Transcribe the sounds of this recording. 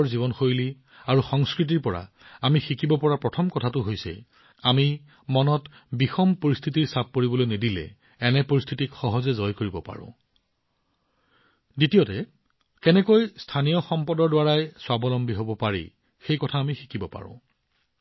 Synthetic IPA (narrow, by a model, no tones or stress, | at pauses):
ɹzibɔnxojli | aɹuxɔŋskɹit̬iɹpɔɹa̰ | amixikibɔpɔɹapɹɔtʰɔmkɔtʰatʊɦojsɛ̰ | ami | mɔnɔt | bixɔmpoɹistʰitiɹsap̚koɹibɔlojnedilɛ̰ | ɛnɛpoɹist̪ʰitikxɔɦɔzɛzɔjkoɹibɔpa̰ɹʊ̰̃ | ditijɔtɛ | kɛnɛkojstʰanijɔxɔmpɔdɔɹdwaɹajswabɔlɔmbiɦobɔpaɹḭ | xejkɔtʰaːmixi̥kʰibɔpa̰ɹʊ̰̃